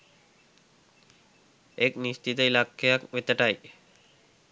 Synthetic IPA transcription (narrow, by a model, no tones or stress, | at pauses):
eknist͡ʃit̪əilakːejakʋet̪əʈaj